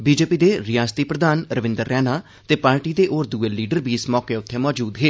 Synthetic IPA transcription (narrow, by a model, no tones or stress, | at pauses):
biːd͡ʒeːpiːd̪eːɾɪjaːst̪iːpɾəd̪aːnɾəʋɪ̃nd̪əɾːɛːnaː | t̪eːpaːɾʈiːd̪eːʔoːɾd̪uːeːliːɖəɾbʱiːɪsmɔːkeːʊt̪ʰːeːmɔːd͡ʒuːd̪ɦeː